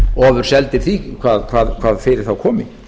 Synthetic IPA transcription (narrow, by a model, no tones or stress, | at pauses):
ɔːvʏɾ̥sɛlt̪ɪɾ̥θikʰvaːðkʰv̥aːðkʰv̥aːðfɪːɾɪɾ̥θawkʰɔːmɪŋ